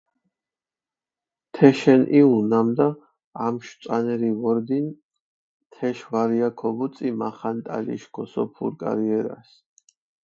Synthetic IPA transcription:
t̪ʰɛʃɛnʔiunamd̪a | amʃt̪sʼanɛɾivɔɾd̪in | t̪ʰɛʃvaɾiakʰɔbut̪sʼimaχant̪ʼa̰lḭʃkʰɔsɔpʰṵɾkʼa̰ɾiɛɾa̰s

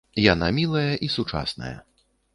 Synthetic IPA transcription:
janamʲilˠɐjɐʔisut͡ʂa̰snɐ̰jɐ̰

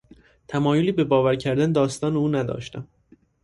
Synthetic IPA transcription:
t̪ʰæmɒːjoliːbe̞bɒːvæɾcʰæɾd̪æned̪ɒːst̪ɒːneuːnæd̪ɒ̰ːʃt̪æm

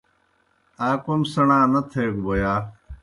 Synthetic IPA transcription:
aːkomsɐɳaːnɐt̪ʰeːɡubojaː

